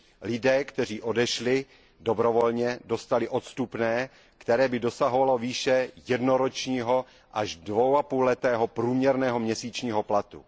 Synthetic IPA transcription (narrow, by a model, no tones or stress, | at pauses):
lɪdɛːkt̪ɛr̝iːʔo̞dɛʃlɪ | do̞bɾovolɲɛdo̞st̪alɪʔo̞t̪st̪upnɛː | kt̪ɛɾɛːbɪdo̞saɦo̞valo̞viːʃɛjɛdnoɾot͡ʃɲiːɦo̞ | ʔaʒdvowapuːlɛt̪ɛːɦopɾuːmɲɛɾnɛːɦomɲɛsiːt͡ʃɲiːɦo̞plat̪ṵ